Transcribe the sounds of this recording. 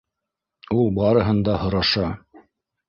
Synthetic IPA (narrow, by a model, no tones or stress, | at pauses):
ulˠbɑɾɤ̆ɦɤ̆nd̪ɑɦhŏɾɑʃɑ